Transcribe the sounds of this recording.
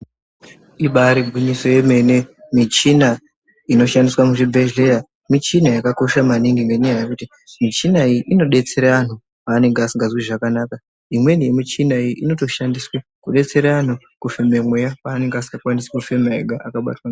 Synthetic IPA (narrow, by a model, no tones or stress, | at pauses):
iɓaɾiɡʱwiɲiso̞je̞me̞ne̞mit͡ʃina | ino̞ʃandiswamuʐibʱeʒleja | mit͡ʃinajakako̞ʃamaniŋɡimeneajekuti | mit͡ʃinaiʔino̞ɗe̞t͡se̞ɾaʋan̤u | paːne̞ŋɡeasiŋɡazwiʐakanaːka | imwe̞nijemit͡ʃinaiiino̞to̞ʃandiswe | kuɗe̞t͡se̞ɾaan̤u | kufe̞memwejapaːne̞ŋɡeasi̥ŋɡakwanisḁkufemaeɡʱaakaɓa̰twana